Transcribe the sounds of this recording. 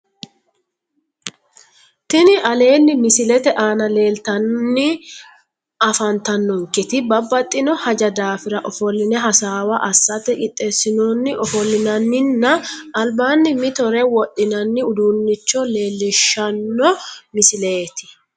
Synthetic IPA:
t̪ɪnɪʔɐle̞ːnːɪmɪsɪlɛt̪ɛʔaːnɐle̞ːlt̪ɐnːɪ | ɐfɐnt̪ɐnːɔŋkɪt̪ɪbɐbːɐt̪ʼːɪnɔhɐd͡ʒɐd̪aːfɪɾɐʔɔfɔlːɪnɛɦɐsaːwɐʔɐsːɐt̪ɛkʼɪt̪ʼːesːɪnoːnːɪʔɔfɔlːɪnɐnːɪnːɐːlbaːnːɪmɪt̪ɔɾɛwɔʔːɪnɐnːɪʊd̪unːɪt͡ʃːɔle̞ːlːɪʃːɐnːɔmɪsɪle̞ːt̪ɪ̥

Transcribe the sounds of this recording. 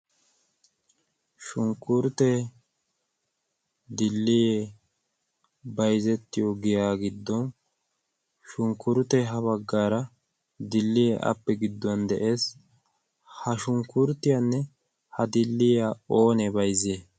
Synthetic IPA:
ʃʊŋkʊɾʊt̪e | d̪ɪlːɪje | bɐjzɛt̪ːɪjoɡɪjaːɡɪd̪ːɔn | ʃʊŋkʊɾʊt̪ɛɦɐβɐɡːaːɾɐ | d̪ɪlːɪjeʔɐ̰pːɛɡɪd̪ːɔnd̪ɛʔe̞ːs | hɐʃʊŋkʊɾt̪ɪjɐnːɛ | hɐd̪ɪlːɪjaoːnɛbɐjzeː

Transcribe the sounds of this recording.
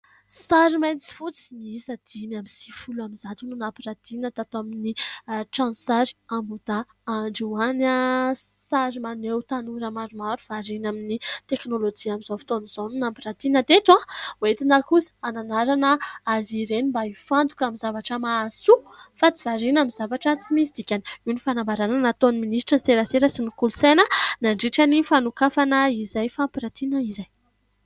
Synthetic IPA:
saɾimajnt͡si̥fut͡si̥miisəd̪̥imamisi̥fulaminzat̪ununampiɾat̪inat̪at̪aminiʈ͡ʂãnsaɾi̥ambud̪̥a | aɳɖ͡ʐuwanasaɾimanewt̪anuɾəmaɾumaɾuv̥aɾinaminit̪eknolod͡ʒiamizawfi̥t̪onuz̥anunampiɾat̪inət̪et̪wawoet̪inakusi̥ananaɾanəaziɾenimbaifant̪u̥kamizavaʈ͡ʂəmasu | fat͡sivaɾinamizavaʈ͡ʂət͡simisid̪ikʲaniunifanambaɾananat̪oniminisʈ͡ʂəseɾaseɾəsinikulusajnənaɳɖ͡ʐiʈ͡ʂanifanukafanaizajfampiɾat̪inəizaj

